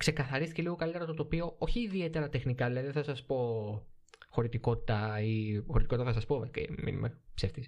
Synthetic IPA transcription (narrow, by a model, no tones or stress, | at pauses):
kse̞kɐθɐɾist̪ice̞liɣo̞kɐlit̪eɾɐt̪ot̪opio̞o̞çiːðie̞t̪e̞ɾɐt̪e̞xnikɐliɐðeθɐsɐspo̞ | xo̞ɾit̪iko̞t̪i̥t̪ɐixo̞ɾit̪ikotit̪ɐθɐsɐspo̞mekḛmḭnṵmepseft̪is